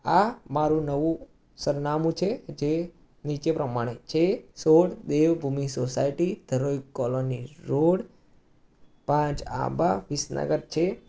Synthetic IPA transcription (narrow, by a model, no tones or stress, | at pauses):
amaɾũnəʋũ | səɾnamũt͡ʃʰed͡ʒe | nit͡ʃepɾəmaɽ̃et͡ʃʰesoɽd̪eʋbʱumisosaiʈid̪̥ʱəɾoikːɔloniɾoɽ | pãt͡ʃa̰baʋisnə̰ɡəɾt͡ʃʰe